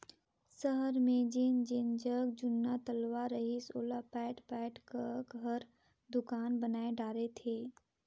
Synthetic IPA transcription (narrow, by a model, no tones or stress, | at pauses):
səɦəɾmẽd͡ʒɪnd͡ʒɪnd͡ʒəɡd͡ʒʊnːat̪əlʋaɾəɦisoːlapɛːʈpɛːʈkəɡʱəɾ | d̪ʊkaːnbənaːeɖaːɾet̪ʰeː